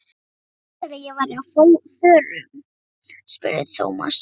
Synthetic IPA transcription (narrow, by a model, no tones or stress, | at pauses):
aɾajɛvaɾɪnhoŋfœːɾʏm | spʏ̰ɾɪ̰ðɪθʰo̰ːwma̰s